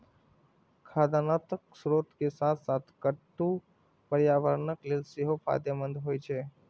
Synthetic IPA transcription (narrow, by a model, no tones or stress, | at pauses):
kʰaːd̪anat̪əksɾoːt̪kesat̪ʰsat̪ʰkəʈũ | pəɾjaːʋəɾnəklelseɦopʰa̰ːd̪jamənd̪ɦoːjt͡ʃʰe